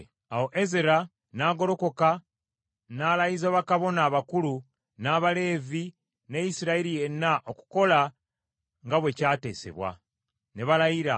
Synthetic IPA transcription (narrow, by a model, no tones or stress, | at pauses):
awo̞ʔe̞zeɾa | naːɡo̞ɾo̞ko̞ka | naːlajizaβakaβo̞naːβakulu | naːβale̞ːvi | ne̞jisiɾaiɾije̞nːaʔo̞ku̥ko̞la | ŋɡaβwe̞caːte̞̰ːse̞̰βwa̰ | neβalajiɾa̰